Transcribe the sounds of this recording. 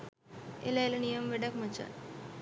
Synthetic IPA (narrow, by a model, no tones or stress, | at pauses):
elɐjlɐnijɐmʋeɖɐkmɐt͡ʃːa̰